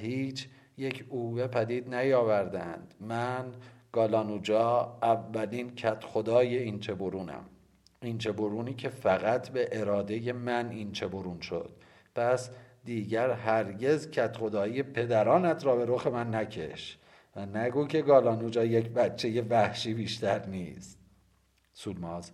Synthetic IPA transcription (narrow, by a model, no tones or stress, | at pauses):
hiːt͡ʃʰ | je̞cʰuːve̞pʰæd̪iːd̪næjɒːvæɾd̪eæ̰nd̪̥mænɡ̥ɒːlɒːnuːd͡ʒɒːævːælincʰæt̪ʰxod̪ɒːje̞int͡ʃʰe̞boɾuːnæ̰m | int͡ʃʰe̞boɾuːniːcʰe̞fæɣæt̪ʰbe̞ʔeɾɒːd̪e̞jemænint͡ʃʰe̞boɾuːnʃo̞̰d̪̥̚ | pʰæsd̪iːɟæɾɦæɾɟe̞zcʰæt̪χo̞d̪ɒːije̞pʰe̞d̪æɾɒːnæt̪ʰɾɒːbe̞ɾoxe̞mænːæcʰe̞̰ʃ | vænæɡuːcʰe̞ɡɒːlɒːnud͡ʒɒːjecʰbætt͡ʃʰːe̞je̞væhʃiːbiːʃt̪æɾnist̪̚ | suːlmɒːz